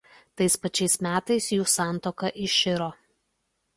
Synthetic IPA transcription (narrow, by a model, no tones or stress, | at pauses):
t̪ɐɪspɐt͡ʃʲɛɪsmʲæːt̪ɐɪsjuːsɑˑnˑt̪oːkɐʔɪʃʲɪɾoː